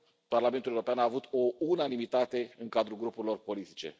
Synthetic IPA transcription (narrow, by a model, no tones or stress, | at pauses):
parlament̪uleuɾopeanaːvut̪ounanimit̪at̪e̞ɨŋkad̪ɾulɡɾupuɾilo̞rpo̞lit̪i̥t͡ʃe̞̰